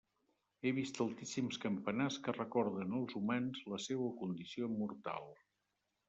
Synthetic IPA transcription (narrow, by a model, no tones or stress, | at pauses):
eβist̪əlˠt̪isimskəmpənaskərəkɔɾðənəlˠzumanzləsewəkund̪isiomuɾt̪a̰lˠ